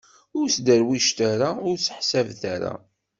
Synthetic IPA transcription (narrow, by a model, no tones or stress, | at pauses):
ʊɾsd̪əɾwiʃt̪æɾaʊɾsə̥ħsævθaɾa̰